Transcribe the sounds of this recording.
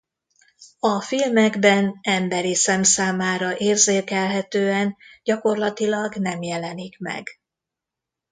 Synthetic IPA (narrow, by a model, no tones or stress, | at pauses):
ɒfilmɛɡbɛnɛmbɛɾisɛmsaːmaːɾɒʔeːrzeːkɛlɦɛt̪øːɛnɟɒko̞rlɒt̪ilɒɡnɛmjɛlɛnikmɛ̰ɡ